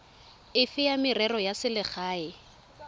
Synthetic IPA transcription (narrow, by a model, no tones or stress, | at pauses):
ɪfɪjamɪrɛrɔjasɪlɪk͡xʰaːɪ